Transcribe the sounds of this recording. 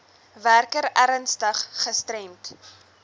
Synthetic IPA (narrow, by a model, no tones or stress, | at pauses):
værkəɾæɾənstəχːəstrɛmt